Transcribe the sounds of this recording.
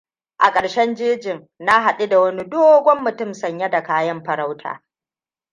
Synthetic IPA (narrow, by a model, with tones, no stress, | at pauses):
ʔa̰˨kʼɐ˨ɽʃɛ˦nd͡ʒeː˦d͡ʒɪ˨ŋ | na˦ɦa˨ɗi˦da˨wɐ˦ni˦doː˦ɡʷɔ˦mːʊ˨tʊ˦msɐ˨ɲja˦da˨kaː˦jɐ˦mɸɐ˨ɾa˦wtʰa̰ː˨